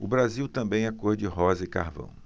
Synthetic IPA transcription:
ʊbɾaziwt̪ɐ̃mbẽj̃ɛkoɾd͡ʒɪɦɔzɐɪka̰hvɐ̰̃w̃

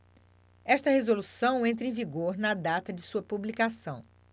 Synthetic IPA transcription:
ɛʃt̪ɐhezolusɐ̃w̃ẽnt̪̬ɾẽj̃viɡoɾnɐd̪at̪ɐd͡ʒɪsuɐpublikasɐ̃w̃

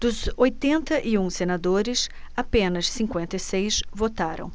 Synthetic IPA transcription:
d̪̥ʊzojt̪ẽnt̪ɐʔɪũsenad̪oɾɪs | apẽnɐssĩŋkwẽnt̪ɐisejsvot̪aɾɐ̰̃w̃

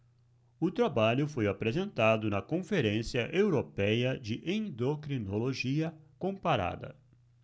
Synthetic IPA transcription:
ʊt̪ɾabaʎʊfojapɾezẽnt̪ad̪ʊnɐkõfeɾẽsiɐʔewɾopɛjɐd͡ʒɪʔẽnd̪okɾinoloʒiɐkõpaɾa̰d̪ɐ̰

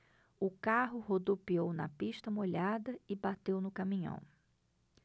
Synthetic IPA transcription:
ʊkaɦʊhod̪opiownɐ̰piʃt̪ɐmoʎad̪ɐɪbat̪ewnʊkamĩɲɐ̰̃w̃

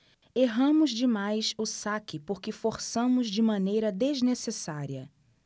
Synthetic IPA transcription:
eɦɐ̃mʊzd͡ʒɪmajsʊsakɪpoɾkɪfoɾsɐ̃mʊzd͡ʒɪmɐ̃nejɾɐd̪eznesesaɾiɐ

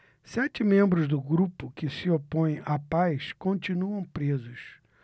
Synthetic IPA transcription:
sɛt͡ʃɪmẽmbɾʊzd̪ʊɡɾupʊkɪsiopõj̃apajskõnt͡ʃinuɐ̃w̃pɾezʊs

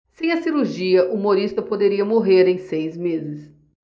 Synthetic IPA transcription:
sẽj̃ɐsiɾuɾʒiɐʔumoɾist̪ɐpod̪eɾiɐmoɦeɾẽj̃sejzmezɪs

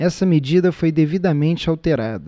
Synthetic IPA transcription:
ɛsɐmed͡ʒid̪ɐfojd̪evid̪ɐmẽnt͡ʃɪawt̪eɾad̪ɐ

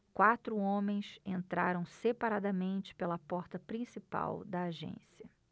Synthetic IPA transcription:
kwat̪ɾʊõmẽj̃sẽnt̪ɾaɾɐ̃w̃sepaɾad̪ɐmẽnt͡ʃɪ̥pelɐpɔɾt̪ɐpɾĩsipa̰wd̪ɐːʒḛ̃siɐ

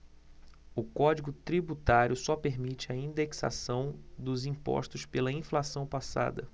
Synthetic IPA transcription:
ʊkɔd͡ʒiɡʊt̪ɾibut̪aɾjʊsɔpeɾmit͡ʃɪɐĩd̪eksa̰sɐ̃w̃d̪ʊzĩpɔ̰ʃt̪ʊspelɐĩflasɐ̃w̃pasa̰d̪ɐ̰

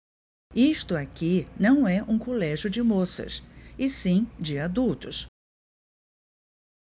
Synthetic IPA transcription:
iʃt̪ʊakinɐ̃w̃ɛʔũkolɛʒjʊd͡ʒɪmosɐ̰sɪsĩd͡ʒɪad̪uwt̪ʊs

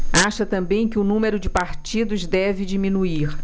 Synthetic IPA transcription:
aʃɐt̪ɐ̃mbẽj̃kɪʊnũmeɾʊd͡ʒɪpaɾt͡ʃid̪ʊzd̪ɛvɪd͡ʒimĩnuiɾ

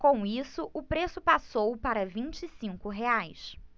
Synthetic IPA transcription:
kõisʊʔʊpɾesʊpasowpaɾɐvĩnt͡ʃisĩŋkʊɦeajs

